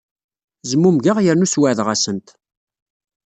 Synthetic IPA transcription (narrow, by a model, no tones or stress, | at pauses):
zəmːumʝəʁjəɾnuswəʕðʁæsənt̪